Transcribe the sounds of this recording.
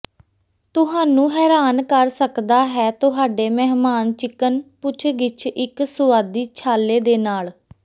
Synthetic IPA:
t̪ʊɦaːnũːɦɛːɾaːnkəɾsəkd̪aːɦɛːt̪ʊɦaːɖeːmɛːɦmaːnt͡ʃɪkːənpʊt͡ʃʰɡɪt͡ʃʰɪksʊʋaːd̪iːt͡ʃʰaːleːd̪eːnaːl

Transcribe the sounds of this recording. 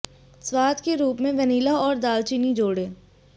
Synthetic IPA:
swaːt̪keɾuːpmẽʋəniːlaɔːɾd̪aːlt͡ʃinid͡ʒoːɽeː

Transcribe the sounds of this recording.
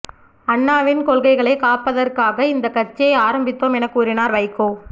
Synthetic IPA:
ɐɳːaːʋɪnkɔɭɣɐɪɣɐɭɐɪkaːpːɐðɐrkaːɣɐɪnd̪ɐkːɐt͡ʃːjɐɪaːɾɐmbɪt̪ːoːmɛnɐkːuːɾɪnaːɾʋɐɪkːoː

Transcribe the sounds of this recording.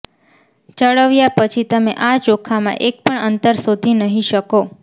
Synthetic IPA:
t͡ʃəɭəʋjapət͡ʃʰit̪əmẽʔat͡ʃokʰamã̰ʔek̚pəɳənt̪əɾsod̪ʱinəɦĩʃəko

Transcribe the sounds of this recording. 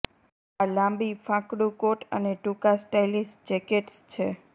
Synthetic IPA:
alãmbifãkɽũkoʈə̰neʈukasʈajlisʈ̚d͡ʒɛkeʈst͡ʃʰe

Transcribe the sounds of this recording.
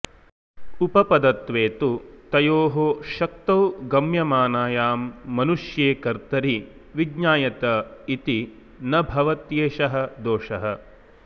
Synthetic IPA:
upɐpɐd̪ɐt̪ʋeːt̪ut̪ɐjoːɦoʃɐk̚t̪ɐwɡɐmjɐmaːnaːjaːmːɐnuʂjeːkɐɾt̪ɐɾi | ʋiɡɲaːjɐt̪ɐit̪i | nɐbʱɐʋɐt̪jeːʃɐɦɐ̆d̪oːʂɐɦɐ̆

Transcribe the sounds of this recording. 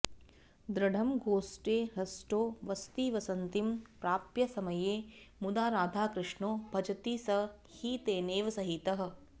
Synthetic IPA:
d̪ɾɐɖʱɐmɡoːsʈeːɦɐsʈoːʋɐst̪iːʋɐsɐnt̪impɾaːpjɐsɐmɐjeːmud̪aːɾaːd̪ʱaːkɾɪʂɳoːbʱɐd͡ʒɐt̪iːsɐ | hit̪eːneːʋɐsɐɦit̪ɐɦɐ̆

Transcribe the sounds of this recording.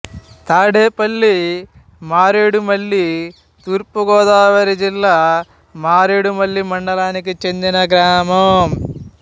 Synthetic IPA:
t̪aːɽeːpɐlːi | maːɾeːɽumɐɭːi | t̪uːɾpuɡɔːd̪aːʋɐɾid͡ʒilːaː | maːɾeːɽumɐɭːimɐɳɖɐlaːnikit͡ʃe̞nd̪inɐɡɾaːmɐm

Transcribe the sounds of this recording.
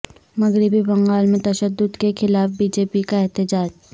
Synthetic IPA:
mɐɡɾɪbibɐ̃ŋɡaːlmẽt̪ɐʃəd̪ːʊd̪kexʰɪlaːfbiːd͡ʒeːpikaɛɦt̪ɪd͡ʒaːd͡ʒ

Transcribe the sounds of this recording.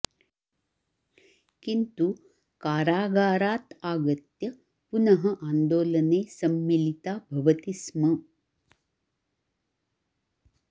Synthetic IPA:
kint̪u | kaːɾaːɡaːɾaːt̪aːɡɐt̪jɐ | punɐɦɐʔaːnd̪oːlɐneːsɐmːilit̪aːbʱɐʋɐt̪ismɐ

